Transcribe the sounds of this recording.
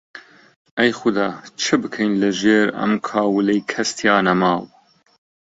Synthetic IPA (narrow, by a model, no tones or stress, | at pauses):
ʔɐjxʊd̪ɑːt͡ʃʰɨbɨkʰejnlɐʒeːɾɐ̰mkʰɑːwɨlejkʰɐst̪ʰjɑːnɐmɑːw